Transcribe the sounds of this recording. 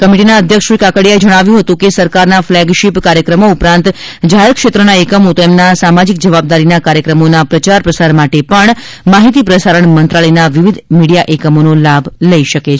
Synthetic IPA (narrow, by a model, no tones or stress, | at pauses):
kəmiʈinaəd̪ʱjəkʃʋikakəɽjaed͡ʒəɽ̃aʋjũɦət̪ũkesəɾkaɾnaflɛɡʃipkaɾjəkɾəmoupɾãnt̪ | d͡ʒaɦeɾkʃet̪ɾənaekəmot̪emnasamad͡ʒik̚d͡ʒəʋab̚d̪aɾinakaɾjəkɾəmonapɾət͡ʃaɾpɾəsaɾmaʈepəɳ | maɦit̪ipɾəsaɾəɳmənt̪ɾaləjnaʋiʋid̪ʱmiɽijaʔekəmonolabʱləiʃəke